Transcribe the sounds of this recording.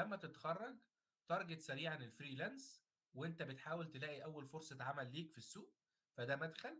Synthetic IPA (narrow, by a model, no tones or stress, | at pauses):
æmːæt̪et̪xɑrˤːɑɡ | t̪ɑɾˤɡet̪sæɾiːʕanelfɾiːlæns | weʔent̪æbet̪ħaːwelt̪elæːʔiʔæwːælfoɾsˤɑt̪ʕamælːiːkfisːuːʔ | fæd̪æːmæd̪xælː